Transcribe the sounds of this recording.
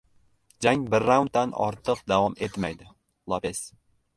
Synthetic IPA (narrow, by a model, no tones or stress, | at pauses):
d͡ʒaŋbɪɾːawʊnt̪d̪anɒ̰ɾt̪ʰɨqd̪avɒme̞t̪majd̪ɪ | lˠapes